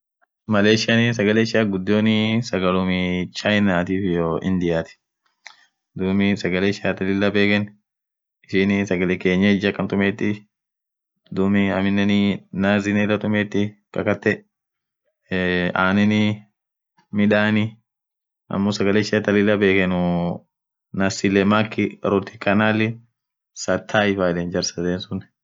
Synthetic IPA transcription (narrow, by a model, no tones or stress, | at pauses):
mɐleːʃɪɐnɪs̬ɐɡɐlɛʃɪaːɡʊd̪ːoːnɪsɐɡɐlʊmɪt͡ʃɐjnaːt̪iːfɪjoːʔɪ̰nd̪ɪjaːt̪ɪ̥ | d̪uːmɪsɐɡɐleʃɪaːt̪ɐlɪlːɐbe̞ːkɛn | ɪʃiːnɪsɐɡɐlɛke̞ːɲːɐd͡ʒɐkʼːɐnt̪ʊmeːt̪ːɪ | d̪uːmɪɐmɪnːɛnɪnaːzɪnɛrɐt̪ʼʊmeːt̪ːɪkʼɐkɐt̪ːɛ | aːnɛnɪ | mɪᶑaːnɪ | ɐ̰mːoːsɐɡɐleʃat̪ɐlɪlːɐbe̞ːkɛnʊ | nɐsɪlɛmakːɪɾɔt̪ɪ̥kʼːɐnaːlɪ | sɐt̪ʰːaːɪfaːlɛnd͡ʒɐɾsɐd̪eːnsʊn